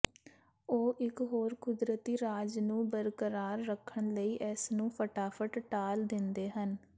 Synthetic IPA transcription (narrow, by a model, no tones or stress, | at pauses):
oːʔɪkɦoːɾkʊd̪ɾət̪iːɾaːd͡ʒnũːbəɾkəɾaːɾːəkʰəɳləiːʔɛːsnũːpʰəʈaːpʰəʈʈaːld̪ɪnd̪eːɦən